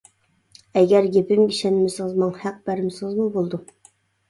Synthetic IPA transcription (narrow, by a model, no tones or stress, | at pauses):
ɛɡʲɛɾɡʲepɪmɡʲiʃɛnɪmɪsɨŋɨzmɑŋhæq̚bæɾɪmsɨʁəzmubolˠd̪u